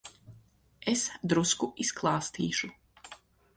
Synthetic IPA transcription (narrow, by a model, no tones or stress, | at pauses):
esd̪ɾuskuisklˠɑːst̪iːʃu